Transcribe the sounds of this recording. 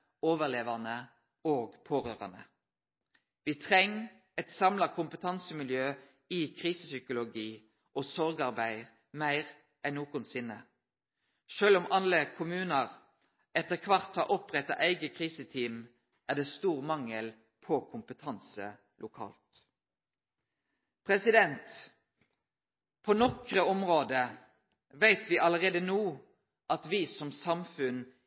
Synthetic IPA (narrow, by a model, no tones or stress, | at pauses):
oːʋəʁleːʋɑnə | oːɡpʰoːʁøːʁɑ̰nə̰ | ʋɪt̪ʰʁɛŋ | ɛt̪sɑmlɑkʰʊmpət̪ʰɑnsəmɪljøː | ɪkʰʁiːsəsʏkʊlʊɡiː | ʔɔsɔʁɡɑʁbæɪ | mæɪʁ | ʔænoːkʊnsɪnːə | ʃøːlʊmɑləkʰʊmʉːnəʁ | ɛt̪ːəʁkʰʋɑʁt̪hɑɾʔɔpʁɛt̪ːɑ̰ʔæɪɡəkʰʁiːsət̪ʰiːm | ʔæʁd̪eːst̪uːʁmɑŋəl | pʰɔkʰʊmpət̪ʰɑnsə̰ | lʔʊkʰɑ̰ːlt̪ | pʰʁɛsɪd̪ɛnt̪ | pʰɔnɔkʁəɔmʁoːd̪ə | ʋæɪt̪ʋɪʔɑləʁeːd̪ənuː | ʔɑt̪ʋɪsɔmsɑmfʉn